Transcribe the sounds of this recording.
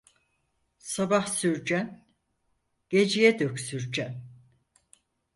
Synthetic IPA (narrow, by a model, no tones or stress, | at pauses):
sabahsyɾd͡ʒæn | ɟ̥ed͡ʒijɛd̪økʲsyɾd͡ʒæn